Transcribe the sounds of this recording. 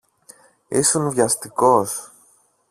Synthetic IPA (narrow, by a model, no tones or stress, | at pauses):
isunvʝɐst̪iko̞s